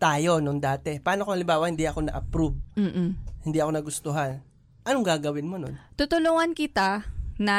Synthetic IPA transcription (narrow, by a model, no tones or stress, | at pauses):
t̪aːjo̞nond̪aːt̪ɛpɐʔaːnokoŋhɐlɪmbaːwɐhɪnd̪iʔɐko̞nɐ̰ʔɐpɾub̚m̩ːʔ̩hɪnd̪iʔɐko̞nɐɡʊst̪ʊɦan | ʔɐnoŋɡaːɡɐwɪnmono̰nt̪ʊt̪ʊlʊŋɐnkɪt̪anɐ